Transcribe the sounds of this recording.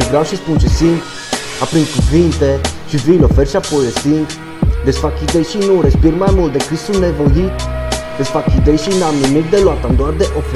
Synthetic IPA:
evɾawʃispunt͡ʃɛsiŋk | apɾiŋkuvint̪ɛʃivilɔfɛɾʃapojɾɛsiŋk | d̪ɛsfakid̪ɛjʃinuɾɛspiɾmamuld̪ɛkɾisunɛvojid̪ɛsfakid̪ɛjʃinaminikd̪ɛlwat̪and̪oaɾd̪ɛʔɔf

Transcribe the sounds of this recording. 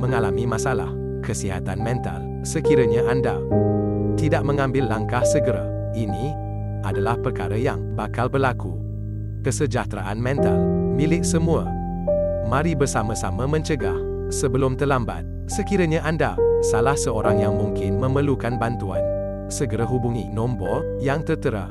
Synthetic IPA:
məŋalamimasala̰h | kʰəsiɦa̰t̪anmɛ̃nt̪a̰l | səkiɾəɲaʔanda | t̪idaʔ̚məŋambɪlːaŋkahsəɡəɾa̰ | ini | adalahpərka̰ɾəjaŋbakalbərlaku | kəsəd͡ʒaht̪ɾaʔa̰nmɛ̃nt̪almilɪk̚səmua | mãɾibərsamasaməmə̃ɲt͡ʃəɡah | səbəlʊmt̪əlamba̰t̪̚ | səkiɾəɲaʔandasalahsəoɾaŋjaŋmuŋkɪnmə̃məlukanbant̪ua̰n | səɡəɾəɦubuŋḭnɔmbɔ | jaŋt̪ərt̪əɾa̰

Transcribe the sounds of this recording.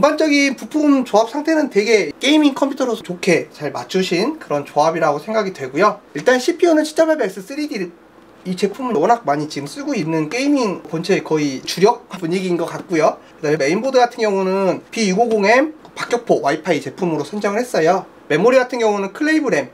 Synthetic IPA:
ʌŋband͡ʑʌɡinpupʰumt͡ɕoap̚sʰaŋtʰenɯntwe̞ɡe̞k͈e̞imiŋkʰʌmpʰjutʰʌɾosʰʌt͡ɕokʰe̞t͡ɕaɭmat͡ɕʰuɕʰinkɯɾʌnt͡ɕoabiɾaɡosʰe̞ŋɡaɡidwe̞ɡujoiɭt͈anɕʰipʰionɯnɕʰi̥t͡ɕ͈abaɭbaɭs͈ɯs͈ɯɾiɡi | it͡ɕe̞pʰumɯwʌnɦak̚maɲit͡ɕiɡɯms͈ɯɡoinːɯnk͈e̞imiŋpʌnt͡ɕʰe̞kʌit͡ɕuɾjʌk̚apuɲiɡinɡʌk͈at̚k͈ujokɯdameme̞imbodɯɡatʰɯnɡjʌŋunɯnpiiɡoɡoŋe̞mpak͈jʌk̚pʰowaipʰait͡ɕe̞pʰumɯɾosʰʌnd͡ʑʌŋɯɭhe̞s͈ʌjo | me̞moɾiɡatʰɯnŋɡjʌŋunɯnkʰɯɭːe̞ibɯɾe̞m

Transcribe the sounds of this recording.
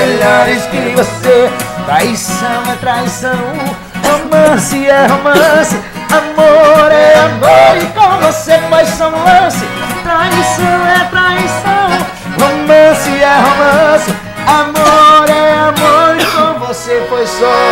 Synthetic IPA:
eʎaɾɪskɪvoset̪ɾaisɐ̃w̃ɛt̪ɾaisɐ̃w̃ | homɐ̃sɪɛɦomɐ̃sɪ | amoɾɛamoɾikõmvosefojsɐ̃w̃lɐ̃sɪt̪ɾaisɐ̃w̃ɛt̪ɾaisɐ̃w̃ | homɐ̃sɪɛɦomɐ̃sɪ | amoɾɛamoɾikõmvosefojsɔ

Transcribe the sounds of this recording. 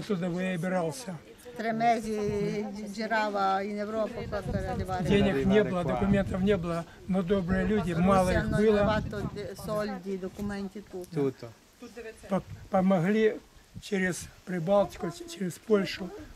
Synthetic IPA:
ɐt̪ːud̪əʋɨjabʲɪɾalˠsʲɐ | t̪ɾɪmɛzʲi | d͡ʒɪɾaʋɐinɛʋɾopɐkɔɐɾʲɐdʲɪʋad̪ʲenʲɪknʲebɨlˠɐd̪ɐkʊmʲent̪ɐfnʲebɨlˠɐ | nod̪o̞bɾɨjəlʲudʲɪmalˠɐixnbɨlˠɐʋat̪ot̪ʲsolʲdʲid̪ɔkʊmɛnʲt̪ʲɪt̪ut̪ | pɐpɐmɐɣlʲit͡ɕeɾʲɪspɾʲɪbalˠtʲɪ̥kʊt͡ɕeɾʲɪspolʲʂʊ

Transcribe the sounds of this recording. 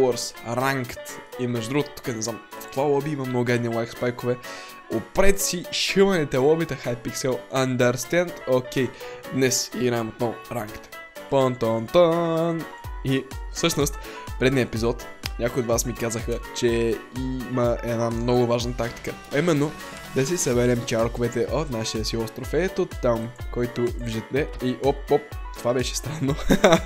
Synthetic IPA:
ɔɾsɾaŋkt̪imɛʒd̪ʊd̪ɾuɡʊt̪ət̪u̥kənɛznamft̪valˠɔbiimɐmnɔʊɡɛd̪nilˠajkspajkovɛ | opɾɛt̪siʃivɐnɛt̪ɛlˠɔbit̪ɐxajpiksɛlˠɐnd̪ɐɾst̪ɛ̃nd̪okʲɛjd̪nɛsiɡɾaɛmot̪̚nɔvʊɾaŋkt̪ | pɔnt̪ɔnt̪ɔnifsɤʃnost̪pɾɛd̪niəɛpizɔt̪nʲɲʲʔakojod̪vasmikazəxət͡ʃɛiməɛd̪namnɔɡʊvaʒnət̪akt̪i̥kə | aimɛnːo | d̪ɐsisɐbɛɾɛmt͡ʃaɾkʊvɛt̪ɛʔot̪naʃijəsiost̪ɾofɛt̪ot̪ːamkɔjt̪ʊviʒɛt̪ːɛiʔopop̚t̪ovabɛʃɛ̥st̪ɾanːo

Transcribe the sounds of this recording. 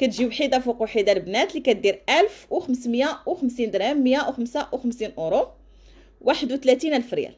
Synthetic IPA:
kæt̪ʒiwħid̪afiquwħid̪albnæt̪likæt̪̚d̪iɾʔælfwxəmsmjawxəmsind̪ɾæmːjawxəmsawxəmsinʔuɾu | wʔaħəd̪wt̪læt̪inælfɾjæ̰l

